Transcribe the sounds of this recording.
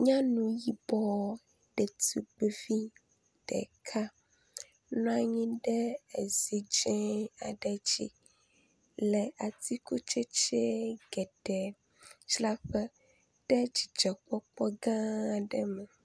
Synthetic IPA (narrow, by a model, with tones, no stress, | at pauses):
ɲã˦nũ˨ji˦bɔ˦ | ɖ̥e˨t̪i˦ɡ͡be˦vi˦ | ɖ̥ɛ̰˨kʰa˦ | nɔ̃˦a˦ɲĩ˦ɖɛ˦e˨z̥i˨d͡ʒɛ̃˦a˨ɖɛ˨d͡ʑḭ˦ | lɛ˨a˨t̪i˦ko˦t͡ʃe˦t͡ʃe˦ɡɛ˨ɖɛ˨ | t͡ʃla˦ɸɛ˦ | ɖ̥ɛ˦d͡ʒi˨d͡ʒɛ˨k͡pɔ˦k͡pɔ˦ɡã˦˨ɖɛ˨mɛ˨